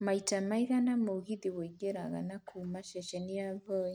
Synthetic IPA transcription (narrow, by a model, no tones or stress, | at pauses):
maitamaiɣanamoɣiðiwɔiɡɛɾaɣa̰nakʰumaʃɛʃɛniaβɔɛ